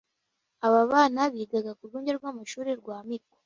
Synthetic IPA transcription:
aβaβaːnaβiɡaɡakuɾɡuːɲɟaɾɡwamaʃuːɾeɾɡwaːmikwo̥

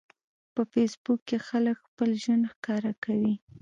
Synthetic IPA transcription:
pəfesbukːexaləkxpəlʒwand̪xkɑɾakʰawi

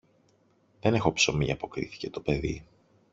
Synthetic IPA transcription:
ðe̞ne̞xo̞pso̞miɐpo̞kɾḭθi̥ce̞t̪o̞pe̞ðḭ

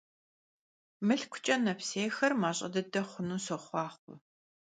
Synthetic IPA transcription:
mɨɬkʷʰʊ̥t͡ʃʼɐnɐpseːjxɐrmaːɕʼɐ̰dɨdɐχʷʊnuːsɔχʷɑːχʷʊ̰

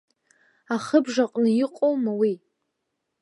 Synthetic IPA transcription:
aχəbʐaqʼnɨjɪqʷʼowmawi

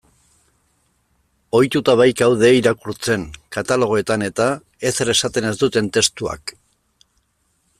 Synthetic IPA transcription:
o̞jt̪ut̪aβ̞ajkawðe̞iɾakuɾt͡se̞ŋkat̪alo̞ɣ̞o̞e̞t̪ane̞t̪a | et͡seɾe̞sat̪e̞ne̞zd̪ut̪e̞nt̪e̞st̪ua̰k

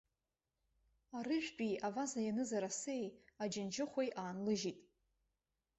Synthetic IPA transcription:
aɾɨʒᶣbʼiavazajanɨzaɾasejad͡ʒɪnd͡ʒɪχʷejʔaːnlɨʒitʼ

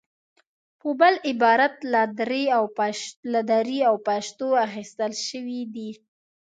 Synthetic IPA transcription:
pobalɪbɑɾat̪lad̪ɾeawalad̪aɾiawpaʃt̪oaxist̪əlʃəwid̪i

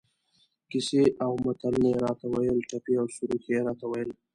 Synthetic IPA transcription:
kɪseʔawmat̪əlmeɾɑːt̪awajəlʈapeawsuɾukeɾɑːt̪awajəl

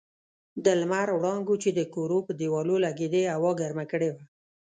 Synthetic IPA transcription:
d̪əlmaɾwɽɑŋɡut͡ʃed̪əkoɾopəd̪ewɑlolaɡed̪eawɑɡaɾmakəɽewa

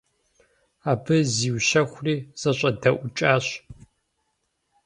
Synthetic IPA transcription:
aːbɨziːwʃɐxʷriːz̥ɐɕʷʼɐdɐʔʷʊt͡ʃʼaːɕ

